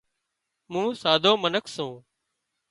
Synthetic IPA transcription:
mũːsaːd̪ʱoːmənəkʰsũː

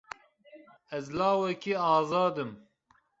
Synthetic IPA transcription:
ɛzlɑːwɛkiɑːzɑːd̪ɨm

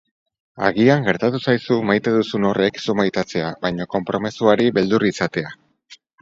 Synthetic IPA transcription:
a̰ɣiaŋɡe̞ɾt̪at̪usajsumajt̪e̞ðusuno̞re̞ksumajt̪at͡se̞aβajɲoko̞mpɾo̞mesuaɾiβe̞ld̪urisat̪e̞a

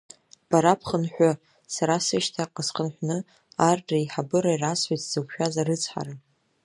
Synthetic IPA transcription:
b̥aɾapʰχənħʷᶣa | saɾasɨʃtʰaqʼəsqənħʷnɨ | arʈ͡ʂʼaiħabɨɾairasħʷitʰz̥ɨwʷʰʃᶣazarɨt͡sʰħa̰ɾa

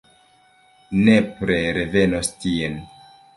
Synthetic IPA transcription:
ne̞pɾeɾe̞ve̞nostien

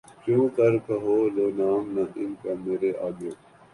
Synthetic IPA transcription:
t͡ɕjũːkɐɾkɐɦoːloːnaːmnãʔɪnkameːɾeʔaːɡoː

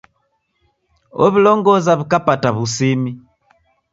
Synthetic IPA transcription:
o̰βiloŋɡozaβikapataβusimi

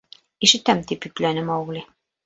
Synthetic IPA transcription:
iʃɘ̆t̪æmt̪ipjɵ̆klænɘmɑwɣlʲi

